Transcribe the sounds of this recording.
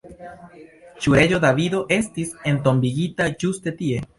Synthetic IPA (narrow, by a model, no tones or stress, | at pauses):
t͡ʃueʝo̞ðaβiðo̞ʔe̞st̪ise̞nt̪o̞mbiɣit̪aʝust̪et̪ie